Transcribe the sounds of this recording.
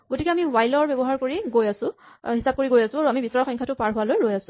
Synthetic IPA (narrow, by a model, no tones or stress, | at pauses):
ɡotikɛamiwajlɔɹbɛbɔɦaɹkoɹiɡojasʊ̃ɦisab̚koɹiɡojasʊ̃aɹamibisaɹɔxɔ̃ŋkʰatʊpaɹɦʊwalojɹojasʊ̥̃